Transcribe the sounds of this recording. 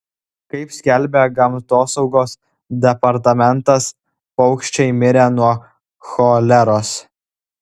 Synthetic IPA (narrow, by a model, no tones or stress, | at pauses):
kɐɪpsʲkʲɛlʲbʲeɡɐmt̪oːsɒʊɡoːs | d̪ʲɛpɐɾt̪ɐmʲɛnt̪ɐs | pɒʊkʃʲt͡ʃʲɛɪmʲɪɾʲenuɔ | xolʲɛɾoːs